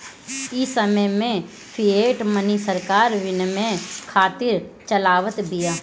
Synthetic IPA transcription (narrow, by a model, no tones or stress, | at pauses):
ɪsəməjmẽ | pʰieːʈmənisəɾkaːɾʋɪnmẽkʰaːt̪ɪɾt͡ʃəlaːʋət̪bijaː